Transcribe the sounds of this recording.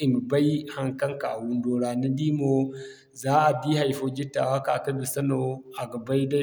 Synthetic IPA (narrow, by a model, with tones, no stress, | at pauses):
i˨m˨ba˦jha˨ŋkɐ˦ŋka̰˨wu˨ndo˨ɾaː˨ni˦diː˦mo˦ | zaː˦ʔa˨di˦ha˨jfo˦d͡ʒi˦tːa̰˨wa˦ka̰˨kɐ˦du˨sɐ˦no˨a˨ɡɐ˨ba˦jda˦